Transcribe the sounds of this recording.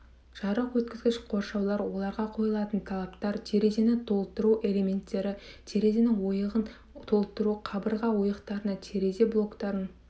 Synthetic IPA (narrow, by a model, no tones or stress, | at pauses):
ʒ̥ɑɾəqwɵt̪̚kʲɪzɡʲɪʃqʰo̞ɾʃɑwlˠɑɾwo̞lˠɑɾʁɑqʰo̞jəlˠɑt̪ənt̪ʰɑlˠɑpt̪ɑɾt̪ʲʰe̞ɾe̞ze̞nɪt̪ʰo̞lˠt̪əɾuʔe̞le̞mʲe̞nt̪ːe̞ɾɪt̪ʰe̞ɾe̞zenɪŋwo̞jəʁən | t̪ʰo̞lˠt̪əɾuqʰɑbəɾʁɑwojəqt̪ɑɾənɑt̪ʰe̞ɾe̞ze̞blˠo̞kt̪ɑɾən